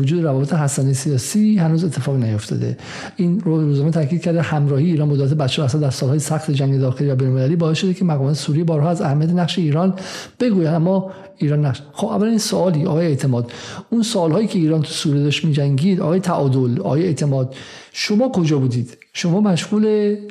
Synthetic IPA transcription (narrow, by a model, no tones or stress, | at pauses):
od͡ʒuːd̪eɾævɒːbet̪ʰeɦæsænejsijɒːsiːhænuːzet̪ʰːefɒːɣinæjo̞ft̪ɒ̰ːd̪ḛ | ʔinɾuːzɑmet̪ʰæɾkʰiːd̪̚cʰæɾd̪ehæmɾɒːhijeiːɾɒːnbod̪et̪̬ʰebæt̪ʃeɾæsæd̪d̪æɾsɒːlɒːjesæxt̪ʰed͡ʒæŋɡed̪ɒːxeliːvæbejnolmelæliːbɒːesʃod̪ekʰemæɣɒːmɒːt̪ʰesuːɾijebɒːɾɦɒːæzæhæmːijæt̪̬ʰenæχʃeiːɾɒnb̥e̞ɡuːjænæmːɒ | iːɾɒːnːæʃxobæ̰vːælæninsoɒːliːɒ̰ːɣɒːjeeʔt̪ʰe̞mɒːd̪̥unsoɒːlhɒːjiːcʰeiːɾɒːnt̪ʰu̥suːɾijed̪ɒʃt̪miːd͡ʒæŋɡiːd̪ʔɒ̰ɣɒːjet̪ʰæʔɒːd̪olɒ̰ːjeeʔt̪ʰe̞mɒːd̪̥ | ʃo̞mɒːkʰo̞d͡ʒɒːbuːd̪iːd̪̥ | ʃo̞mɒːmæʃɣuːle